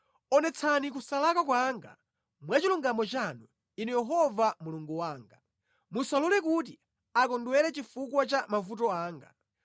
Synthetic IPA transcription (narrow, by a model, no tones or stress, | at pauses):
ɔnɛt͡sʰanik̬usalakak̬waŋɡa̰ | mwat͡ʃiluŋɡamɔt͡ʃanu | inɛjɛɦɔvamuluŋɡuwaːŋɡa | musalulɛk̬ut̬i | akɔndwɛɾɛt͡ʃifukwat͡ʃamavut̬ɔaːŋɡa̰